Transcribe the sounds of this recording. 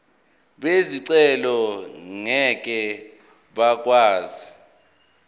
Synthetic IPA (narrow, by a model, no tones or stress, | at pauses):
ɓeziǀɛlɔŋɛk̬ʼɛ | ɓak̬ʼwaːzi